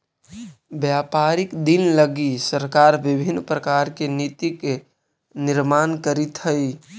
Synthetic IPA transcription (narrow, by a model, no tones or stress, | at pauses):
bjapaɾikd̪inləɡisəɾkaɾbɪbʱinːpɾəkaɾkenit̪ik | nɪɾmankəɾit̪ɦəi